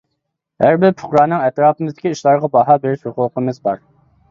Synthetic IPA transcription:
hæɾbɪɾpʰʊ̥χɾɑːnɨŋɛt̪ɾɑːpɨmɨzd̪ɪ̥kʲiiʃlˠɑɾʁɑbɑɦɑːbeɾɪʃhoqʊlˠqəmɪzbɑɾ

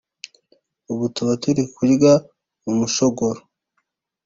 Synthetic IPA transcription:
uβutuβatuɾikuɾiɡa | umuʃoɡoɾo

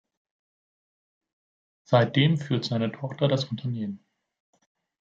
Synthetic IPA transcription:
z̥aɪt̚d̥eːmfyːɐtz̥aɪnətʰɔχtɐdasʊntʰɐneːmən

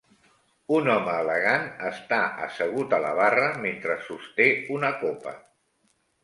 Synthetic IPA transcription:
unɔməːləɣanəst̪aə̰səɣ̞ut̪ələ̰β̞arəment̪ɾəsust̪eunəkopə̰

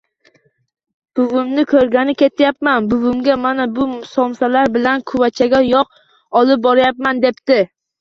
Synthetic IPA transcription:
b̥ʊvʊmnɪkʰɵɾɡʲanɪkʲʰe̞t̪ʰjap̚manbʊvʊmɡʲamanabʊmʊsɒmsalaɾbɪlankʰʊvat͡ʃʰaɡʲajɒq | ɒlˠɪp̚bɒɾajap̚mand̪e̞pt̪ɪ

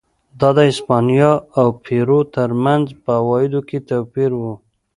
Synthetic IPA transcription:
d̪ɑd̪əɪspɑnijɑawpʰeɾot̪əɾmanzpəawɑjɪd̪oket̪awpiɾwu

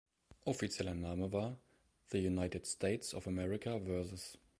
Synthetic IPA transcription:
ʔɔfit͡sjɛlənaːməvaːɐ | ðəjunaɪtɪdstʰeɪtsɔfəmɛɹɪkʰavɜɐsʊs

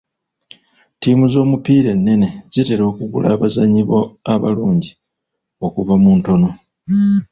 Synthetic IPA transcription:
tiːmuzo̞ːmupiːɾe̞nːe̞ne̞zite̞ɾo̞ːkuɡṵla̰ːβazaɲiβo̞aβa̰luːɲɟi | o̞kuvamunto̞no̞

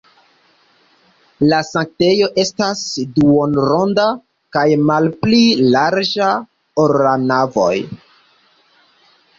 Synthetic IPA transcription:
lasaŋk̚te̞jo̞ʔe̞stasduonɾonda | kajmalplilaɾd͡ʒa | oɾanavo̞̰j

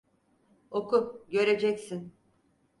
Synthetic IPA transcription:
okʰuɟø̞ɾe̞d͡ʒɛcsin

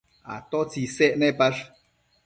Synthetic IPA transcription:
a̰t̪ot͡sisɛʔnepaʂ

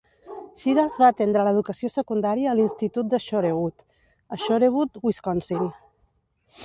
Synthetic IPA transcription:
ʃiðəzβaːt̪end̪ɾələðukəsiosəkund̪aɾiəːlinst̪it̪ut̪̚d̪əʃoɾeβut̪ | əʃoɾeβut̪wiskɔnsiŋ

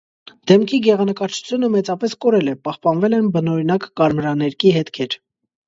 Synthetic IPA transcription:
d̪̥ɛmkʰiɡɛʁɑnəkɑɾt͡ʃʰu̥t͡sʰjunəmɛt͡sɑpɛskɔɾɛlɛpɑhpɑnvɛlɛnbənɔɾinɑkːɑɾmɾɑnɛɾkiɦɛt̪kʰɛɾ

